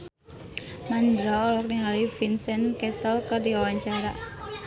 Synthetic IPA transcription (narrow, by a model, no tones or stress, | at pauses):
mand̪ɾɔɔlɔk̚niɦalifinsɛnkɛsɔlkadiawaɲt͡ʃaɾa̰